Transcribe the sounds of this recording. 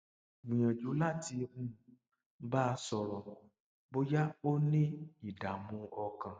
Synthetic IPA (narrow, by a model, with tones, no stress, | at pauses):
wĩ˨jã˨d͡ʒu˨˦la˦ti˧mũ˦˨ | ba˦˧sɔ˧ɾɔ˧ | bo˦ja˦o˦nĩ˦i˨da˨mũ˧ɔ˧kã˨